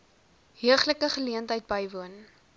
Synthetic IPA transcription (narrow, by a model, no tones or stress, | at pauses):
ɦiəχləkəχəliəntɦəjt̚bɐjvuən